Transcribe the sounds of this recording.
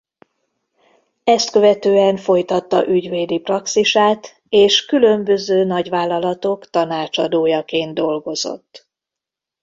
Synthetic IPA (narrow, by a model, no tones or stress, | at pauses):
ɛst̪køvɛt̪øːɛɱfo̞jt̪ɒt̪ːɒ̰ʔyɟʋeːd̪iprɒksiʃaːt̪ | eːʃkylø̞mbø̞zøːnɒɟʋaːlːɒlɒt̪o̞kt̪ɒnaːt͡ʃɒd̪oːjɒkeːnd̪o̞lɡo̞zo̰t̪ː